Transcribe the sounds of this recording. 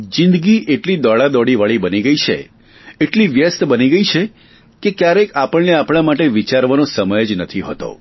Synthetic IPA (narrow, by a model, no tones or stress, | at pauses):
d͡ʒɪ̃nd̪ɡiʔeʈlid̪ɔɭad̪ɔɽiʋaɭibəniɡəit͡ʃʰḛ | eʈliʋjəst̪bəniɡəit͡ʃʰe | kekjaɾekapəɭneapɽ̃amaʈeʋit͡ʃaɾʋanõsəməjd͡ʒnət̪ʰiɦo̰t̪o̰